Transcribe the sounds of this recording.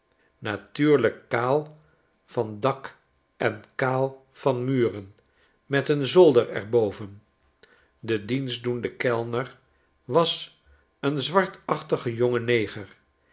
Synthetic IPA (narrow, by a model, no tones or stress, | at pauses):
natyːɹləkːaːlˠ | vɑndɑk | ʔɛnkaːlˠ | v̥ɑnmyːrən | mɛtənzolˠdəɹɛ̰ɹbowvən | dədinzdundəkɛlˠnəɹ | ʋɑs | ənzʋɑɹtɑχtəχəjoŋənejχəɹ